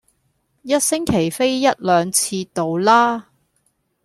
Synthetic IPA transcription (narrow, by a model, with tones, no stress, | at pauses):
jɐ˥t̚sɪ˥ŋkʰe˨˩jfe˥jːɐ˥t̚lœː˨˧ŋt͡sʰiː˧t̪o˨wlaː˥